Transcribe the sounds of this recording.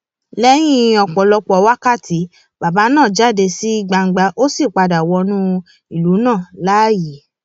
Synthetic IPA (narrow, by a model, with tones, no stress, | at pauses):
lɛ˦j̃ĩ˧˦ɔ˧k͡pɔ˨lɔ˧k͡pɔ˧˨˧wa˦ka˦˨tʰi˨˦ | ba˨ba˨˦nãː˦˨d͡ʒa˦˨de˧si˦i˧ɡ͡ba˧ŋ̩˨ɡ͡ba˧ʔo˦si˦˨k͡pa˧da˨wɔ˧nũ˦ | i˨lu˨˦nãː˦˨la˦˨ji˨˦